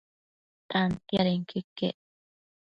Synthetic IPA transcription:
t̪ant̪jaɾeŋkʰikḛʔ

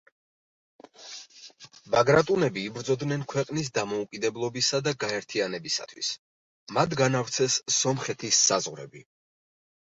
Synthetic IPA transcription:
vaɡɾat̪ʼunɛbiːbɾd̪zɔd̪nɛnkʰwɛqʼnis̬d̪amɔukʼid̪ɛblˠɔbisad̪aɡaɛɾt̪ʰianɛbisa̰t̪ʰwḭs | mat̪ɡanaft̪sʰɛsːɔmχɛt̪ʰisːazʁɾɛ̰bi

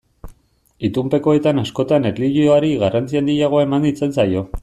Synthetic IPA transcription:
it̪umpe̞ko̞et̪anasko̞t̪anetliʎioaɾiɣarant͡siand̪ijaɣ̞o̞ae̞mand̪it͡se̞nsajo̞

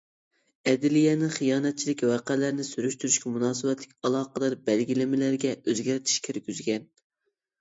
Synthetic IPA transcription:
ɛd̪ɪlijɛnɪχijɑːnɛt̪̚t͡ʃʰilɪkʲwɑqælæɾnɪsyɾyʃt̪yɾyʃkʲɛmunɑːsɨbɛt̪lɪkʲɑlˠɑːqəd̪ɑɾbɛlɡʲilɪmɪlæɾɡʲɛøzɡʲæɾɪt̪ʰi̥ʃkʲʰeɾɡʲyzɡʲɛn

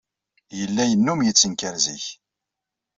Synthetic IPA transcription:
jəlːæjənːumjət͡sːənkəɾziç

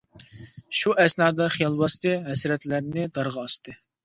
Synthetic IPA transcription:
ʃuʔɛsnɑːd̪ɑχijɑlˠbɑst̪ɨɦɛsɾɛt̪læɾnɪd̪ɑɾʁɑːst̪ɨ

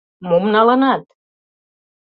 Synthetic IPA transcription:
momnɑlɑnɑt̪

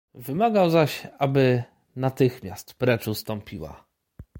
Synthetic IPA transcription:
vɘmaɡawzaɕabɘ | nat̪ɘxmʲjast̪pɾɛt͡ʂust̪ɔmpʲiwa̰

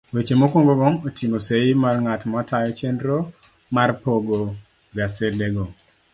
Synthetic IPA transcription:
wet͡ʃemokwoŋɡoboŋotʰimoseimarŋatmɔtajɔt͡ʃendɾo | marpoɡo | ɡasedeɡo

